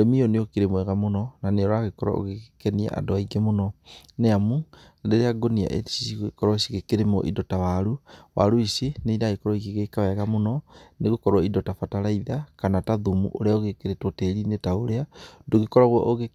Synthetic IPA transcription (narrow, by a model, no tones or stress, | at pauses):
oɾemioneokiɾemwɛɣamonɔnaneoɾaɣekɔɾa̰o̰ɣekɛnia̰ʔa̰doaiɡemonɔneamu | andeɾeaɡonia̰ʔḛsi̥siɣekɔɾɔsiɣekeɾemɔ̰ʔḭdɔtawaɾuwa̰ɾoiseneidaɣekɔɾɔiɣeɣekawɛɣamonɔneɣokɔɾɔidɔtafataɾaiðakanataðumṵʔo̰ɾeaoɣekeɾetwɔteɾinetaoɾeadoɣekɔɾaɣwɔʔoɣe